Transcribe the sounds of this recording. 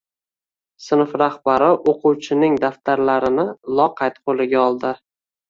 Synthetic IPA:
sɪnfɾahbaɾɪʔoqʰʊwt͡ʃʰɪnɪŋd̪aft̪aɾlaɾɪnɪlˠɒqʰɑjt̪qʰolɪɡʲaɒlˠd̪ɪ

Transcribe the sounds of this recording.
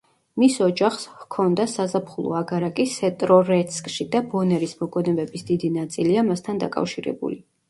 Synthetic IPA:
misɔd͡ʒaχshkʰɔnd̪asazapʰχulˠɔ̰aɡaɾakʼisɛt̪ʼɾɔɾɛt̪sʰkʼʃid̪abɔnɛɾismɔɡɔnɛbɛbisd̪id̪inat̪sʼiliamast̪ʰand̪a̰kʼa̰fʃiɾɛ̰bṵli

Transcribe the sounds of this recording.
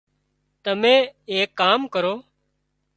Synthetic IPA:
t̪əmẽːeːkːaːmkəɾoː

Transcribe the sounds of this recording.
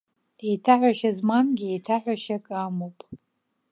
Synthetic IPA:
ejtʰaħᶣʷaʃazmanɡʲietʰaħʷᶣaʃakʼamowpʼ

